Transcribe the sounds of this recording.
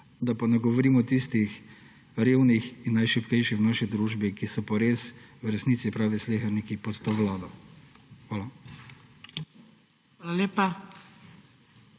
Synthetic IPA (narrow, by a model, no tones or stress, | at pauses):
d̪apanɛɡɔʋɔɾiːmɔt̪ist̪ix | ɾeːwnixinːajʃipkɛjʃixwnaːʃid̪ɾuːʒbikisɔpɔɾeːswɾɛsniːt̪sipɾaːʋɛsleːxɐɾnikipɔt̪t̪oːʋlaːd̪ɔ | xʋaːla | ʋaːlaleːpa